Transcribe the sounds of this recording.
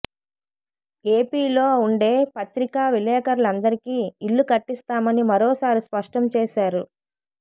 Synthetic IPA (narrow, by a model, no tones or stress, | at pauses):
eːpiːloːuɳɖe̞ːpɐt̪ɾikaːʋilɛːkɐɾulɐnd̪ɐɾikiːiɭːukɐʈːist̪aːmɐnimɐɾɔːsaːɾispɐʂʈɐmt͡ʃeːʃaːɾu